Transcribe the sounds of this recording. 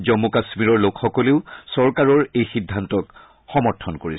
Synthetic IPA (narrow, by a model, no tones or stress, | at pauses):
zɔmːukasmiɹɔɹlokxɔkɔleʊsɔɹkaɹɔɹejxidʱːantɔk | xɔmɔɹtʰɔnkoɹi